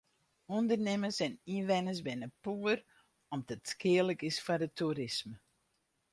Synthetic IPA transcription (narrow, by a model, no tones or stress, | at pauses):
undərnɪməsɛniʋɛnəsbɛnapuər | ɔmdɔtskʰɪələkɪsfadətuɾɪsmə